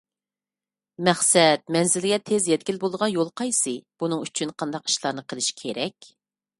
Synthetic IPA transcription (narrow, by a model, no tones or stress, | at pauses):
mɛχsɛt̪̚mɛnzɪlɪɡʲɛt̪ʰːezjɛt̪̚ɡʲilbolˠəʁɑnjolˠqʰɑjsɨb̥unɨŋyt͡ʃʰynqʰɑnd̪ɑqi̥ʃlˠɑɾnɨqʰəlˠɪʃi̥kʲʰeɾɛkʲ